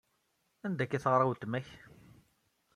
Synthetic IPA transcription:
ænd̪ækːæθəʁɾˤawt̪ːmæç

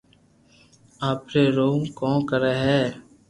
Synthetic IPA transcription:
aːpɾeːɾoːmkɔ̃ːkəɾeːɦɛː

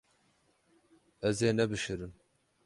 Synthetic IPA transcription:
ɛzeːnɛbɨʃɨɾɨn

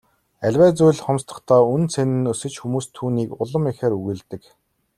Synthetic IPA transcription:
æɮʲwæːt͡sujɮχɔmst̪ə̆χt̪ʰɔːunt͡sʰenɘ̆nɵsɵ̆t͡ɕxumuːst̪ʰːuːniːkʊɮə̆mexeːɾuɣɘ̆ɮt̪ɘ̆k

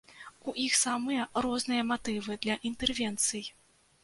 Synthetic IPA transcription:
uʔixsamɨjɐrɔznɨjɐmat̪ɨvɨd̪lʲɐʔint̪ɛrvʲɛnt̪sɨj

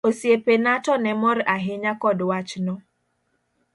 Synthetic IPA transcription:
osiepenatɔnɛmɔɾɪʔaɦeɲakɔdʊwat͡ʃɪnɔ

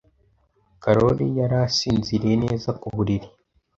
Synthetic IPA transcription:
kaɾo̞ɾijaɾaːsiːnziɾiene̞ːzakuβuɾiɾi

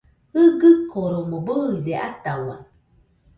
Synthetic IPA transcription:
hɨɡɯkoɾoməbədeʔat̪awa

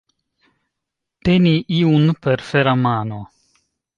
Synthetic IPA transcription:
t̪eniʔiunpeɾfeɾamano

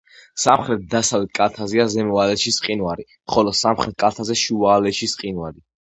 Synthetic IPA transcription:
samχɾɛt̪̚d̪asavlɛt̪̚ʰkʼalˠt̪ʰazɛazɛmɔalɛʃisqʼinwaɾi | χɔlɔsamχɾɛt̪̚kʼalˠt̪ʰazɛʃuvaːlɛʃisqʼinwaɾi

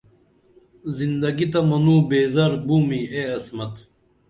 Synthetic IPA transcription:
zind̪ɐɡit̪ɐmɐnuːbeːzɐɾbuːmieɐsmɐt̪

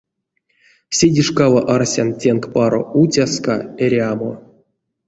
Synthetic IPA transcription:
sʲedʲiʂkavaʔarsʲantʲenkpɑɾo̰ut͡sʲaska̰eɾʲamo̰

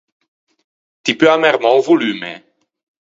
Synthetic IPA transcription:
t̪ipøamɛʁmɔ̃wvulymḛ

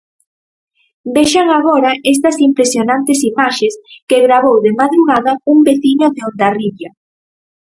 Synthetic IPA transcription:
beʃaŋaɣoɾɐes̬t̪ɐsimpɾesjonãnt̪esimaʃeskeɣɾaβowðemaðɾuɣaðɐumbeθiɲoðeond̪ariβa

